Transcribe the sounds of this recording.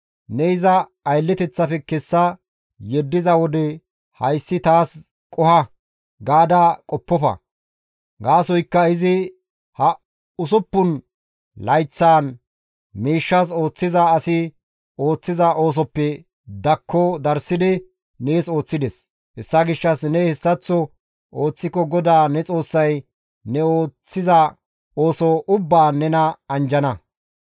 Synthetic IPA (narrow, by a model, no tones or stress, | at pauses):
nɛɪzɐː | jlːɛt̪ɛt͡sːɐfɛkɛsːɐ | jɛd̪ːɪzɐwɔd̪ɛ | hɐjsːɪt̪aːs | kʼɔhɐ | ɡaːd̪ɐkʼɔpːɔfɐ̰ | ɡaːsɔjkːɐɪzɪ | hɐ | ʊs̬ʊpːʊn | lɐjt͡sːaːn | miːʃːɐs̬o̞ːt͡sːɪzɐːsɪ | o̞ːt͡sːɪzɐʔo̞ːs̬ɔpːɛ | d̪ɐkʰːɔd̪ɐɾsɪd̪ɪ | neːso̞ːt͡sːɪd̪ɛs | hɛsːɐɡɪʃːɐsnɛhɛsːɐt͡sːɔ | o̞ːt͡sːɪkɔɡɔd̪aːnɛt͡sʼo̞ːsːɐj | nɛoːt͡sːɪzɐ | oːsɔʔʊbːaːnɛnɐɐnd͡ʒɐnɐ